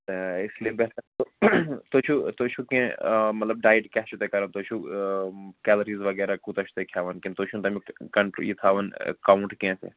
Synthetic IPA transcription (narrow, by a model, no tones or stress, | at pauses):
t̪eɪslienbɛɦt̪ɐɾt̪ot̪oːt͡ʃʰut̪oːt͡ʃʰukẽmɐt̪lɐb̚ɖaːjʈkɛɦt͡ʃʰut̪ekɐɾənt̪oːt͡ʃʰu | kɛːləɾiːzʋɐɡɛːɾakũt̪ɐt͡ʃʰu̥t̪ekʰjaːʋɐnkint̪oːt͡ʃʰunt̪ɐmĩkɐɳʈɾo̰jit̪ʰaːʋɐn̰kaːʊɳʈkẽːsḛ